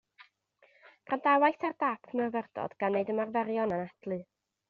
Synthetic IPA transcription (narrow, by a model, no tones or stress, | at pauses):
pʰrandawajθardapʰmɛrvɛrdɔ̰d̥ɡ̥anːeɨdəmarvɛɾjɔnənad̥lˠɨ